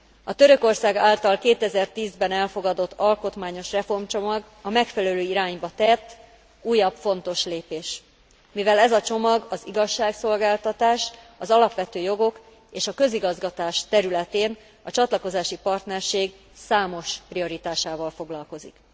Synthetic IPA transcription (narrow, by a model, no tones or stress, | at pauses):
ɒt̪ø̞ɾø̞ko̞rsaːɡaːlt̪ɒlkeːt̪ɛzɛrt̪iːzbɛnɛlfo̞ɡɒd̪o̞t̪ʰːɒlko̞t̪maːɲo̞ʃrɛfo̞rmt͡ʃo̞mɒɡ | ɒmɛkfɛlɛløːiɾaːɲbɒt̪ɛt̪ː | uːjːɒbfo̞nt̪o̞ʃleːpeːʃ | mivɛlɛzɒt͡ʃo̞mɒɡɒziɡɒʃːaːkso̞lɡaːlt̪ɒt̪aːʃ | ɒzɒlɒpʋɛt̪øːjo̞ɡo̞k | eːʃɒkø̞ziɡɒzɡɒt̪aːʃt̪ɛɾylɛt̪eːn | ɒt͡ʃɒt̪lɒko̞zaːʃipɒrt̪nɛrʃeːɡ | saːmo̞ʃprio̞ɾit̪aːʃaːvɒlfo̞ɡlɒlko̞zḭk